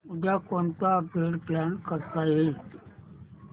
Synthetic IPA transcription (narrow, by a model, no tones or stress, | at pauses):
ud̪akoɳt̪aəpeɽplankəɾt̪aɦet̪